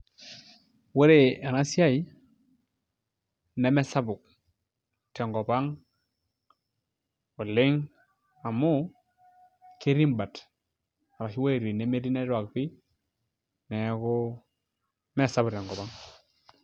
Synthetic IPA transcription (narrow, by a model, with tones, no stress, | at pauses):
we˦ɾe˨a˨na˦si˦a˦i˨ | ne˨me˦sa˦bu˨k̚ | tɛ˨ŋɡɔ˨ba˦ŋ | u˨lɪ˦ŋ | a˨mu˦ | ke˦ɾi˦mba˨t | a˨ɾa˨ʃi˦we˦˨ɾi˨ne˨˦me˦ɾi˦ne˦ɾwa˨k̚pi˦ | nɛ˨˦ku˦ | me˦sa˦bu˨tɛ˨ŋɡɔ˨ba˦ŋ